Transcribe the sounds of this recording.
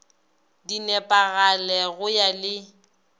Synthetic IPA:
dinɛpʼaɣalɛɣʊjalɪ

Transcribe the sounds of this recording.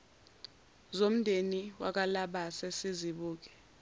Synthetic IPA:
zom̩ndʱeniwa̰k̬alaɓasesiziɓuːk̬ɛ̥

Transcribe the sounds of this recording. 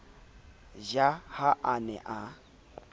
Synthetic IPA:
ʒahaʔanɛ̰ʔa

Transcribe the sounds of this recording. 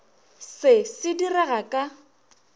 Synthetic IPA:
sɪsɪdirɛɣakʼa

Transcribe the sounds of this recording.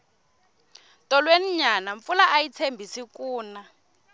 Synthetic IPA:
tʼɔlweniɲanaɱfulaʔajit͡sʰembʱisikuːna

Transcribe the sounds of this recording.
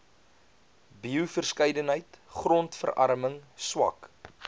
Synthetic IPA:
biufərskəjdənɦəjtχrɔntfərʔɐ̰ɾməŋswɐ̰k

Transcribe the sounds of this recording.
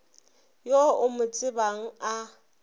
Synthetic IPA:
joʊmʊt͡sʼɪbaŋ̩a

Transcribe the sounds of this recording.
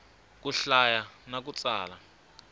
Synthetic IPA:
k̬uɬajanak̬ut͡sʼaːla

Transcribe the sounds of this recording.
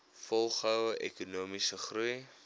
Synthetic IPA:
fɔlˠχœwəʔɛ̰kunuːmisəχruj

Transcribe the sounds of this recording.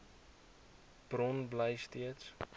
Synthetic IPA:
b̥rɔnblɛjstiəts

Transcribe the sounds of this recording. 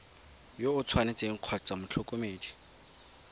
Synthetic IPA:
joʊt͡sʰwanɪt͡sʼeŋ̩q͡χʰɔt͡sʼamʊt͡ɬʰɔkʼomeːdi

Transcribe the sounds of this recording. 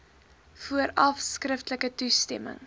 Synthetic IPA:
fuəɾɐfskrəftələkətustɛmə̰ŋ

